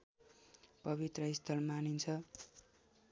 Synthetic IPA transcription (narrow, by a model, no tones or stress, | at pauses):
pʌβit̪rʌist̪ʰʌlmanint͡sʰʌ